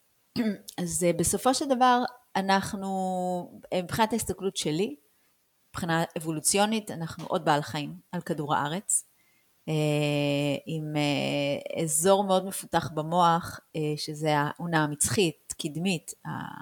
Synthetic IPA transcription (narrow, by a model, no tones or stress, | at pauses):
azbeso̞fo̞ʃeldavaʁanaχnu | mipχinataist̪aklutʃe̞li | ipχinaevo̞lut͡sjo̞nitanaχnṵʔo̞d̚baalaχaimalkaduʁa̰ʔaʁe̞t͡s | e | imeḛzo̞ʁmeo̞dme̞futaχbamo̞aχeʃezeaʔunaːmit͡sχitkidmita̰